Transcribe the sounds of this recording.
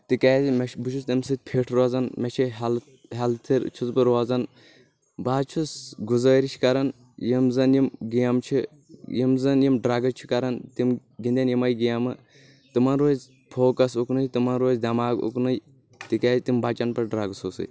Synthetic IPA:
t̪ikaːzimɛʃbut͡ʃʰust̪ɐmsɨt̪̚ʲpʰeːʈʰɾozɐnmʲɛt͡ʃʰiɦɐl | ɦɐlt̪ʰiɾt͡ʃʰut͡spɨɾoazɐn | baːt͡ʃʰusɡuzəːɾit͡ʃʰi̥kɐɾɐn | jimzɐnjimɡijɐmt͡ʃʰi | jimzɐnjimɖɾaːɡɐt͡ʃʰi̥kɐɾɐnt̪imɡind̪ʲɐnjimɐjɡijamɨ | t̪imɐnɾoːz | pʰoːkɐsuknɨjt̪imɐnɾoːzd̪ʲɐmaːɡṵknɨj | t̪ikaːzʲt̪imbat͡ʃɐnpɐɾɖɾaːɡsoːsɨ̰

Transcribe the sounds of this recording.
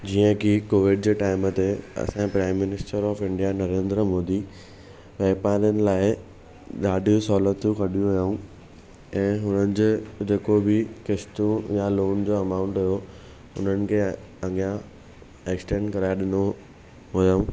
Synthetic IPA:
d͡ʑiːə̃kʰikoːʋɪɖ̚d͡ʑeːʈaːɪmət̪eɐ̰sãpɾaːɪmːɪnɪsʈəɾɔːfɪ̃ɳɖijanɐɾẽːnd̪ɾəmoːd̪i | ʋɛːpaːɾiənɪ̆laːɪ | ɗaːdʱijũsɔːlət̪ũkɐɗijũɦɐjaũ | ɛ̃ːɦʊnənɪ̆d͡ʑd͡ʑeːkobɪkɪʃt̪ũjaloːnd͡ʑoːɐmaːʊ̃ɳʈɦʊjo | ʊ̰n̤ənɪ̆kʰe | ɐɠijã | eksʈẽːɳɖkɐɾaːjaɗɪno | ɦojaũ

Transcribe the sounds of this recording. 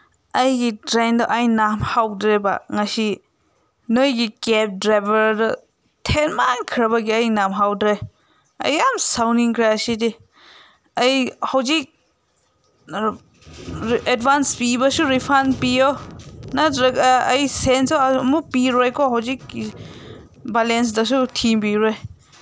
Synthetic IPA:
ɐjɡidɾajndɔʔajnamhawdɾeba̰ŋasi | nojɡikep̚dɾajbɐɾdɔ | tʰenmankʰɾaβaɡiajnamɦawdɾe | ɐ̰jamsawniŋkʰɾasidi | ɐjhawzik̚ | edbanspibɐsuɾipʰanpijonatɾɐjsensmupiɾojkʰɔɦawzik̚ | balens̬dɐs̬utʰimpiɾɔj

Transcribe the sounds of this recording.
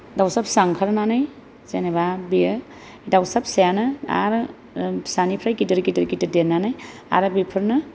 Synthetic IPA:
dawsapsaŋkʰaɾnanaj | zeneβabijɯ | dawsap̚sajanɯa̰ɾ | sanipʰɾajkitɯɾkitɯɾkitɯdenːanaja̰ɾɯbipʰɯɾnɯ

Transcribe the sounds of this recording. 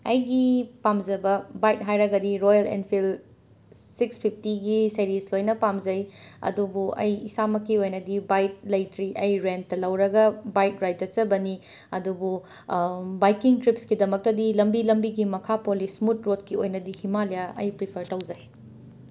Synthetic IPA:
ɐjɡipamzɐbɐbajt̚ɦajɾɐɡɐdiɾojɐlḛnpʰil | sikspʰip̚ʰtiɡisɐɾislojnɐpamzɐjɐ̰dubuɐ̰jisamɐkːiojnɐdibajt̚lɐjtɾiʔɐjɾentːɐlɐwɾɐɡɐbajt̚ɾajt̚d͡ʒɐt͡ʃɐbɐni | ɐdubu | bajkiŋtɾipskidɐmɐk̚tɐdilɐmbilɐmbiɡimɐkʰapolismut̚ɾotkiojnɐdihimalijaʔɐ̰jpɾipʰɐɾtɐwzɐj

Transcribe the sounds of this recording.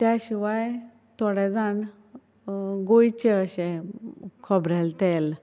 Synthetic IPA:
t̪jaɕiʋaj | t̪ʰɔɽɛd͡zãɳ | ɡojt͡ɕeəɕɛ̃ | kʰəbɾɛlt̪el

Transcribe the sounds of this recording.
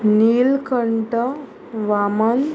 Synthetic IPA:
niːlkəɳʈə | ʋamən

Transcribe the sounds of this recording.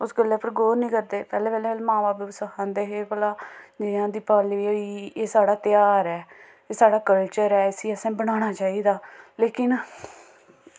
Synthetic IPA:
ʊsɡəlːeːpʰəɾɡoːɾnĩːkəɾd̪eːpɛːleːpɛːleːlmãːbaːpːsəkʰãːnd̪eːɦeːkəlaːd͡ʒɪãːd̪iːpaːliːoieːsaːɽaːt̪ɪjaːɾɛː | eːsaːɽaːkəlt͡ʃəɾɛːɪsiːəsẽːbəɽaːɽ̃aːt͡ʃaːiːd̪aːleːkɪn

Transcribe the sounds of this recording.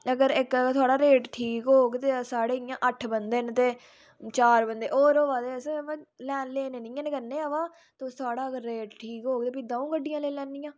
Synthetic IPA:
əɡəɾɪkt̪ʰʊaːɽaːɾeːʈʈʰiːkɦoːɡt̪eːsaːɽeːɪjãːʔəʈʰbənd̪eːnt̪eː | t͡ʃaːɾbənd̪eːʔoːɾoːʋaːd̪eːəslɛːnleːneːnɪ̃ːə̃nekəɾneːaːʋaː | t̪õːt̪ʰʊaːɽaːəɡəɾːeːʈʈʰiːkɦoːɡ̚t̪eːpɪd̪ãːũːɡəɖːɪjãːleːlɛːnd̪ɪjãː

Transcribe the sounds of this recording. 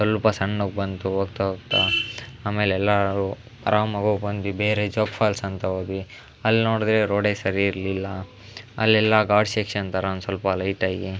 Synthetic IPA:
sɐlpɐsɐɳːuɡ̚bɐnt̪uɦoːɡt̪aɦoɡt̪aaːmeːlɛlːaɾu | ɐɾaːmɐɡuɡbɐnd̪ʋibeːɾed͡ʒoːkfʰaːlsɐnt̪ɐɦoːɡ̪i | ɐlːnoːɽd̪ɾeɾoːɖesɐɾiːɾlilːɐ | ɐ̰lːɛlːɐɡaːɖsekʂɐnt̪aːɾɐ̃nsʋɐlpɐlɐjʈaːɡi

